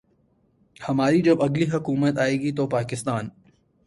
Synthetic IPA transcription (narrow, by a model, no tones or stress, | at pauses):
hɐmaːɾid͡ʒɐbɐɡliɦɐkuːmət̪aːeːɡit̪̬opaːkɪst̪aːn